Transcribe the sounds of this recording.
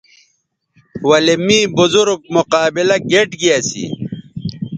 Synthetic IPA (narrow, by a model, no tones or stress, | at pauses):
wɐlemiːbuzuɾɡ̚muqaːbilɐɡeʈɡijasḭ